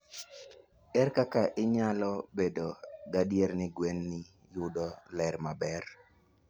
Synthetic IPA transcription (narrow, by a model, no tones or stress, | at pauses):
ɛɾkakaʔɪɲalɔbedoɡadjeɾnɪɡwenːɪ | jʊdɔlɛɾmabɛr